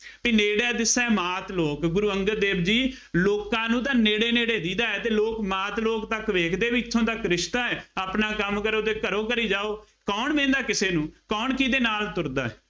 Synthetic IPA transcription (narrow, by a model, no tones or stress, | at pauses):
piːneːɽɛːd̪ɪsɛ̃ːmaːt̪loːkɡʊɾuːəŋɡəld̪eːbd͡ʒiː | loːkãːnũːt̪̬ãːneːɽeːneːɽeːd̪iːd̪aːɛːt̪eːloːkmaːt̪loːkt̪əkʋeːkʰd̪eːʋiːɪt̪ʰːõːt̪əkɾɪʃt̪aːɛːaːpnaːkəmkəɾoːt̪eːkəɾoːkəɾiːd͡ʒaːoː | kɔːɳmẽːnd̪aːkɪseːnũːkɔːɳkiːd̪eːnaːlt̪ʊɾd̪a̰ːɛː